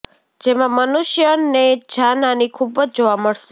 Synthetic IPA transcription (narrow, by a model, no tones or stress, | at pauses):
d͡ʒemãmənuʃjəned͡ʒananikʰubəd͡ʒd͡ʒoʋaməɭʃe